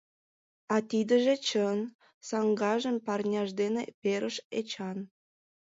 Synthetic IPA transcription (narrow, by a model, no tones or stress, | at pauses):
ɑt̪id̪əʒet͡ɕən | sɑŋɡɑʒəmpɑrnʲɑʒd̪enepeɾʔəʃet͡ɕɑn